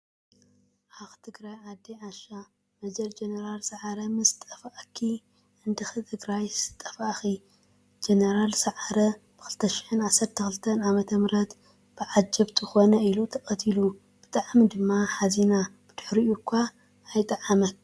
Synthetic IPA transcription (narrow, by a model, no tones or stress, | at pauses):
ʔaxt̪ʰɨɡɾajʕad̪ːiʕaʃa | mɐd͡ʒɐld͡ʒenɐɾalsɐʕaɾɐmɨst̪ʼɐfaʔkʰi | ɨnd̪ɨxɨt̪ʰɨɡɾajsɨ̥t̪ʼɐfaʔxi | d͡ʒenɐɾalsɐʕaɾɐ | b̥ɨxɨlt̪ʰɐʃɪ̥ħɨnʕasɐɾt̪ʰɐxɨlt̪ʰɐnʕamɐt̪ʰɐmɾɐt̪ | b̥ɨʕad͡ʒɐbt̪ʰɨxo̞nɐilut̪ʰɐkʼɐt̪ʰilu | b̥ɨt̪ʼaʕmid̪ɨmːaħazinab̥ɨd̪̥ʊħɾiukʷʰːaː | jt̪ʼaʕamɐk